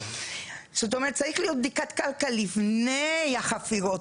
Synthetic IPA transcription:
z̥ot̪o̞meet̪̚t͡saʁiχlijo̞t̪̚d̪ikat̪kalkalifnejaχafiʁo

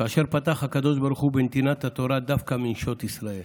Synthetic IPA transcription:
kaːʃe̞ʁpat̪aχhakad̪o̞ʃbaɾuχubent̪inat̪hat̪o̞ɾad̪afkaminʃo̞t̪isʁae̞l

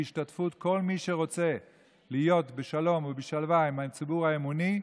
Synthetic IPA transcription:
iʃtatfut̪ko̞lmiʃe̞ʁo̞t͡se̞ | lijo̞tbeʃalo̞mvebeʃalvaimat͡sibuʁhaemuni

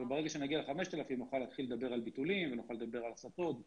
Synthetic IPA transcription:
vebeeɡaʃenaɡialeχameʃt̪alafimnuχalːat̪χilːed̪abe̞ʁalbit̪ulimvenuχaled̪abe̞ʁalasat̪o̞t̪

